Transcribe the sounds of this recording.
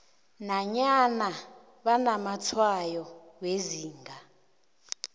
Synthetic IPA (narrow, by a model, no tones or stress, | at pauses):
naɲana | βanamat͡sʰwajɔ | weziːŋɡʱa